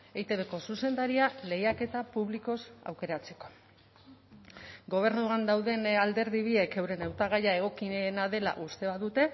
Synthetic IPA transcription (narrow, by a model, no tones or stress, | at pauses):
ejt̪eβeko̞suse̞nd̪aɾiale̞jake̞t̪apuβliko̞sa̰wke̞ɾat͡se̞̥ko̞̥ | ɡo̞β̞e̞ɾnuand̪awðe̞nald̪e̞ɾðiβie̞ke̞wɾe̞nawt̪aɣ̞ajae̞ɣ̞o̞kienaðe̞la̰ʔust̪e̞βaðut̪e̞